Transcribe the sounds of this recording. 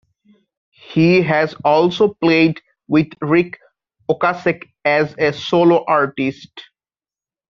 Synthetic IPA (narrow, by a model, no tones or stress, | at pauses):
hiɦæzɔːlsopleːɖ | wɪd̪ɾik | okasek | ɛzesoːloʔaɹʈisʈ